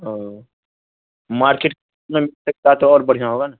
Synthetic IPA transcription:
ɦã | maːɾkeːʈk | mẽmɪlsɐk̚t̪aɦɛt̪oɔːɾbɐɽ̤ijaɦoːɡanaː

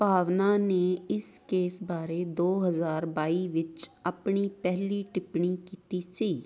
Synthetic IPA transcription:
paːʋnaneɪskeːsbaːɾed̪oːɦəzaːɾbaːiʋɪt͡ʃɐpɳipɛɦliʈɪpɳikiːt̪isiː

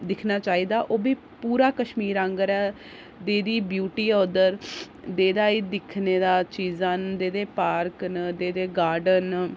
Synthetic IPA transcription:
d̪ɪkʰnaːt͡ʃaːiːd̪aːʔoːbiː | puːɾaːkəʃmiːɾãːŋɡəɾɛː | d̪eːd̪iːbjuːʈiːɔːd̪əɾ | d̪eːd̪aːiːd̪ɪkʰneːd̪aːt͡ʃiːzãːnd̪eːd̪eːpaːɾknd̪eːd̪eːɡaːɾɖən

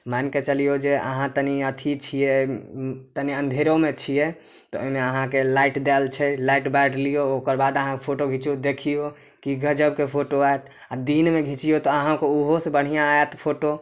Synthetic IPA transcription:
manket͡ʃəlijod͡ʒeʔə̰ɦãt̪əniət̪ʰit͡ʃʰije | t̪əniə̃nd̪ʱeɾomet͡ʃʰijɛ | t̪ɔo̰meəɦãkelaiʈd̪elt͡ʃʰɛlaiʈbaɖlijookəɾbad̪əɦãkepʰoʈoɡʱit͡ʃiod̪ekʰijo | kiɡəd͡ʒəb̚kepʰoʈoaet̪ʰ | ad̪inmeɡʱit͡ʃijot̪ɔəɦãkouɦosebəɽ̤ijãaet̪pʰoʈo

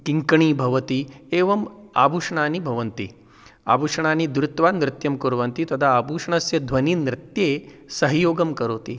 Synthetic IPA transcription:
kiŋkɐɳiːbʱɐʋɐt̪ieːʋɐma̰ːbʱuːʂɐɳaːnibʱɐʋɐnt̪ḭ | a̰ːbʱuʂɐɳaːnid̪ɾɪt̪ʋaːnɾɪt̪jɐmkuɾʋɐnt̪it̪ɐt̪ʰaːbʱuːʂɐɳɐsjɐd̪ʱʋɐninɾɪt̪jeːsɐɦɐjoːɡɐmkɐɾoːt̪i

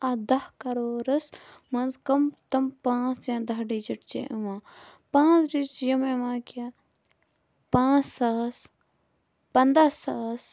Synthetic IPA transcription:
ad̪ɐhkɐɾoːɾɐsmɐnzkɐmt̪ɐmpãːt͡sjãːd̪ɐɦɖid͡ʒiʈt͡ʃḛʔɐʋãːpãːt͡sɖit͡ʃjɐmeʋãːkaː | pãːt͡sːaːs | pɐnd̪asaːs

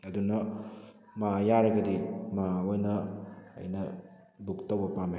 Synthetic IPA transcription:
ɐdunɐ | majaɾɐɡɐdimawojnɐ̰ːjnɐ | buk̚towbɐpama

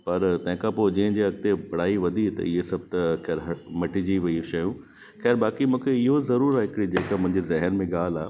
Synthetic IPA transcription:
pɐɾt̪ɐ̃ɦɪ̃kʰãpoːd͡ʑĩːɪ̃d͡ʑiːɐɡ̚t̪ebɐɽ̤aːiʋɐd̪ʱit̪ɐ̰ɪɦesɐb̚ʱt̪ɐxɛːɾɦɐmɐʈid͡ʑiʋɐiʃɐjũ | xɛːɾbaːkimũːkʰeɪɦozɐɾuːɾaːɦɪkɪɽid͡ʑeːkamʊ̃ɦɪ̃ɲd͡ʑezɐɦənmẽɠaːl̤aː

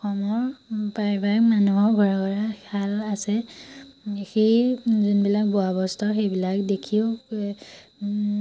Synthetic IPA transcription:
ɔxʰɔmɔɹpajbakmanuɦɔɹɡʱɔɹaɡɔɹakalasɛ | xejzunbilak̚bɔabɔstʰɔxejbilakdekʰio

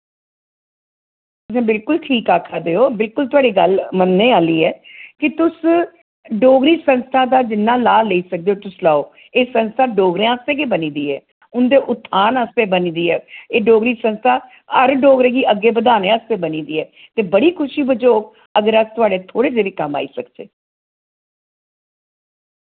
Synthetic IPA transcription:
t | t̪ʊsẽːbɪlkʊlʈʰiːkaːkʰaːd̪eːoːbɪlkʊlt̪ʊaːɖiːɡəlmənːeːaːliːɛːkɪt̪ʊs | ɖoːɡɾiːsənst̪ʰaːd̪aːd͡ʒɪnːãːlaːleiːsək̚d̪eoːt̪ʊslaːoː | eːsənst̪ʰaːɖoːɡɾẽãːəst̪ẽːkeːbəniːd̪iːɛ̰ː | ʊnd̪eːʔʊt̪ʰːaːnəst̪eːbənĩːd̪iːɛːeːɖoːɡɾiːsənst̪ʰaː | əɾɖoːɡɾẽːɡiːʔəɡːeːbəd̪aːnẽəst̪eːbəniːd̪iːɛː | t̪eːbəɽiːkʰʊʃiːbəd͡ʒoːk | əɡəɾət̪ʊaːɖeːt̪ʰoːɽeːd͡ʒeːʋiːkəmːa̰ːḭːsəkd͡ʒḛː

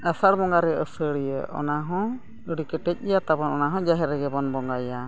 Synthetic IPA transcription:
asaɽbɔŋɡaɾɛʔəsəɽijəʔɔ̰naɦɔ̃ | əɽikɛʈɛc̚ˀɛjat̪abɔnɔnaɦɔ̃d͡ʒaɦɛɾɛɡɛbɔnbɔŋɡaja

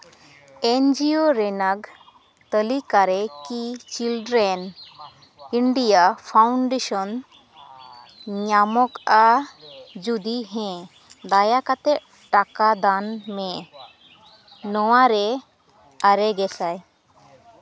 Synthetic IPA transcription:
end͡ʒioɾɛnaɡ | t̪əlikaɾɛkit͡ʃilɖɾɛn | iɳɖijapʰawɳɖeʃɔn | ɲamɔka | d͡ʒud̪iɦɛ̃ | d̪ajakat̪ɛ | ʈakad̪anmɛ̃ | nɔwaɾɛ | aɾɛɡɛsaj

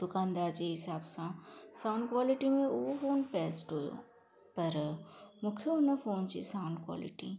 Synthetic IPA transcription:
d̪̥ʊkãːnd̪aːɾd͡ʒiɦɪsaːbsãsãʊ̃ɳɖ̚kwaːlɪʈimẽʊfoːnpɛːsʈɦoːjo̰ː | pɐɾmʊkʰjəonɐfoːnt͡ʃḭsaːʊ̃ɳɖkwa̰ːlɪ̰ʈḭ

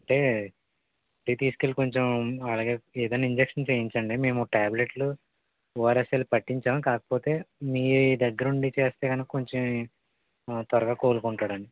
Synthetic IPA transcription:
ɐɳʈe̞ː | p̪ɾiːt̪iːsu̥kelko̞ɲt͡ʃemɐlaːɡe̞ːeːd̪ɐnːɐiɲd͡ʒekʂɐnt͡ʃeːjiɲt͡ʃɐɳɖime̞ːmuʈaːble̞ʈlu | oːɾeselpɐʈːiɲt͡ʃaːmkaːkɐ̥po̞ːt̪e̞ːmiːid̪ɐɡːɐɾɐuɳɖit͡ʃe̞ːst̪e̞ːɡɐnikːɐko̞ɲt͡ʃem | t̪ʋɐɾɐɡaːkoːlukuɳʈaːɽɐɳɖi

